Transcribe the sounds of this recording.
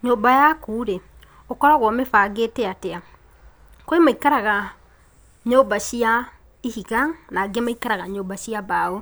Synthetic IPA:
ɲoːbajakuːɾɛ | okɔɾaɣwɔmefaːɡetɛatɛa | koemaikaɾaɣa | ɲoːbaɕia | iɦiɣaŋnaɡɛmaikaɾaɣaɲoːbaɕiabao

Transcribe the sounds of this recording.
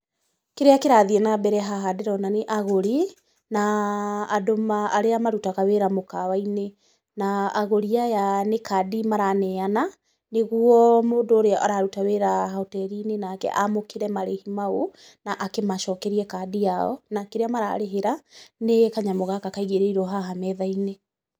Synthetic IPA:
keɾeakeɾaðiɛnabɛɾɛɦaɦadeɾɔnaneʔaɣoɾi | naː | domaːɾeamaɾutakaweɾamokawaine | naːɣoɾiajanekadimaɾanɛana | neɣuɔmoːndoːɾeaʔaɾaɾutaweɾaɦotɛɾinenaːkɛ̰ʔamokeɾɛmaɾehimao | naʔakemaʃɔkɛɾiɛkadiaɔ̰nakeɾeamaɾa̰ːɾeɦeɾanekaɲamoɣakakaiɣeɾeiɾɔɦaɦamɛðaine

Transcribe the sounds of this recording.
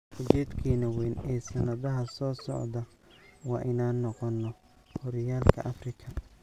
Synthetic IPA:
kʰʊt͡ʃɛːd̪kʰiːnɐwɛːnɛːsɐnɐðɐɦɐsɔːsɔ̰ʕd̪ɐ | wɑːʔɪnaːnːɔqɔnːɔ | hɔɾɐjaːlkʰɐ̰ʔɐfrɪkʰɐ

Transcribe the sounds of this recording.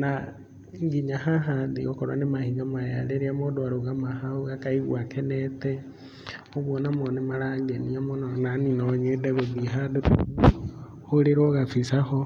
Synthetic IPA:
na | ŋɡiɲahaɦaðeɣokoɾwa̰nemahiɣamaja̰leɾiamodoaɾoɣamahaoɣakaiɣw̰akʰenete | oβwonamonemalaɡeniamonananinoɲedeɣoðiɦadeu | hoɾeɾoɣafisaho

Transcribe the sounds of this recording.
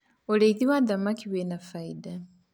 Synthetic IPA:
oleiðiwaðamakiwenafaida

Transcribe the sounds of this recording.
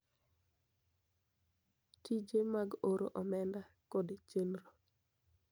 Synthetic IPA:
tid͡ʒemaɡoɾoʔɔmɛnda | kɔdet͡ʃenɾo

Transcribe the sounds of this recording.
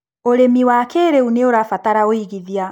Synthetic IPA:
oɾemiwakeɾeuneoɾafataɾaoiɣiðia

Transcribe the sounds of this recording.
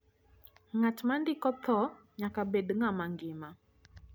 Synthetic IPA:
ŋatmandikɔt̪ɔ | ɲakabɛdŋamaŋɡima

